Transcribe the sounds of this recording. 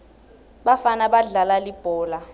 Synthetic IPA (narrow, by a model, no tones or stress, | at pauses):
ɓafanaɓaɮalalib̥ʱɔːla